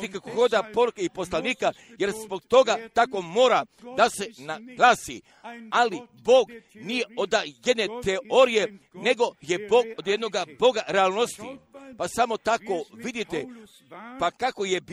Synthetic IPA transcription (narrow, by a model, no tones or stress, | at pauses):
t̪ikakoɡo̞d̪apo̞ɾukeipo̞slˠaniːka | je̞ɾzbo̞ɡt̪o̞ɡat̪ako̞moːɾad̪ase̞naɡlˠaːsḭ | alibo̞ːɡ | nije̞od̪aje̞d̪net̪eoɾije̞ne̞ɡo̞je̞bo̞ːɡod̪je̞d̪no̞ɡabo̞ɡaɾeaːlˠnost̪ḭpasamo̞t̪ako̞ʋid̪it̪e | pakako̞jeb